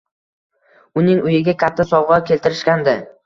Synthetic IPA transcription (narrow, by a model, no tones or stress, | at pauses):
ʊnɪŋʊjɪɡʲakʲʰat̪ʰːasɒwʁɒkʲʰe̞lt̪ɪɾɪʃkʲand̪ɪ